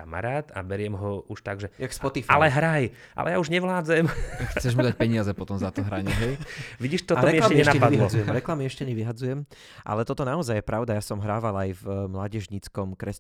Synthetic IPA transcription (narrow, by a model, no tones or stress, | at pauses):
ama̰ɾaːt̪a̰bɛɾɪɛmɦɔuʃt̪aɡʒɛjakspɔt̪ifalɛɦɾaj | ʔa̰lɛ̰jauʒɲɛʋlaːd͡zɛmxt͡sɛʒmud̪ac̚pɛɲɪazɛpɔt̪ɔmzat̪ɔɦɾaɲɛɦɛjʋiɟiːʃt̪ɔɔɾɛmiɛlamcɛɲɲɛʃnaɛpadilɔd͡zujɛmɾɛklamiɛʃcɛɲɛʋiɦad͡zujɛm | ʔa̰lɛt̪ɔt̪ɔnaɔzajjɛpɾaʊd̪ajasɔmɦɾaːʋalajvmlaːɟɛʒɲit͡skɔmkɾɛs